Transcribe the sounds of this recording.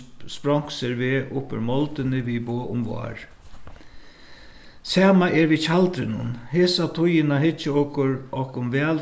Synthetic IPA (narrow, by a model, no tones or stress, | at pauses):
spɾɔŋ̥ksɛɾʋeːʔʊpɪ̰ɾmɔlt̪ɪnɪʋiboːʔʊmʋɔ̰ːɹ | sɛːmaʔɛɾʋit͡ʃʰalt̪ɾɪnʊ̰nheːsat̪ʰʊjɪnaɦɪt͡ʃːɪɔkʊɾɔhkʊmʋɛːl